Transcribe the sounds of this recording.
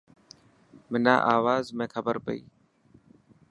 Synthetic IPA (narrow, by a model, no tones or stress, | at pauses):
mɪnã̰ːʔaːʋaːzmẽːkʰəbəɾpəḭː